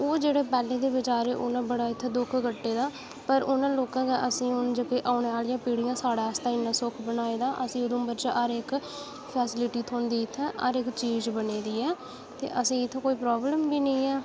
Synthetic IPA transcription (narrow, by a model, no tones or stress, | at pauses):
oːd͡ʒeːɽeːpɛːlẽːd̪eːbɪd͡ʒaːɾeːʔʊ̰nãːbəɽaːɪt̪ʰːeːd̪ʊkʰɡəʈːeːd̪aː | pəɾʊnãːloːkãːkeːʔəsĩːʊnd͡ʒəkeːʔaːɳeaːlɪjãːpiːɽɪjãːsaːɽaːst̪aːɪnːãːsʊkʰbənaːeːd̪aːʔəsĩːʊd̪ʊ̃mbəɾt͡ʃəəɾɪk | pʰɛːsɪlɪʈiːt̪ʰoːnd̪iːɪt̪ʰːɛ̃ːʔə̰ɾɪkt͡ʃiːd͡ʒbəneːd̪iːɛː | t̪ḛːʔəsĩːɪt̪ʰːẽːkoːiːpɾɔːbləmbiːnəĩːɛː